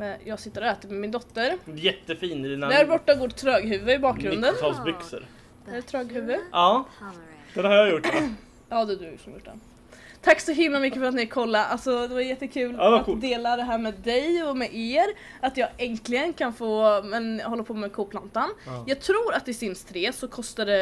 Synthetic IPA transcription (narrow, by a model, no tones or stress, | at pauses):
mɛnjɑːɡsɪt̪ːəɾɔɛːt̪əɾmɛmɪnd̪ɔt̪ːəɾjɛt̪ːəfiːnɪd̪inad̪æɾbɔʈːaɡoːʈt̪ʰɾøːɡɦʉ̟ːvəɪbɑːk̚ɡɾɵnd̪ənt̪ʰɑːlsbʏksə̰ɾ | ɛɖɛt̪ʰɾœːɡɦʉ̟ːvəɑː | d̥̪ɛnhaɾjajʊʈː | ɑːd̪ʉd̪ʉjʊ̰kʂɔmjʊʈ̚ːɖ̪ɛ̰n | t̪ʰaksɔɦɪmlamʏkːəfœɾat̪̚nɛjkʰɔlːaʔalsɔd̪ɛvaɾjɛt̪ːəkʰʉ̟ːlɛat̪ːd̪eːlad̪ɛɦæːɾmɛːd̪ɛjɔmɛʔeːɾ | at̪jɑːɡɛŋklɪɡənkʰanfoːmɛnhɔlːəpʰoːmɛkʰuːpʰlant̪anjɑːɡ̚t̪ʰɾuːɾat̪̚d̪ɛsɪnst̪ʰɾeːsɔkʰɔst̪ad̪ɛ